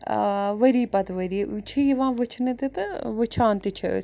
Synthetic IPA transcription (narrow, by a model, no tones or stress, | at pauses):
ʋɐɾiːpɐt̪ʋɐɾiːt͡ʃʰiiʋãːʋɨt͡ʃʰnɨt̪it̪ɨʋɨt͡ʃʰaːnt̪it͡ʃʰɐ̰s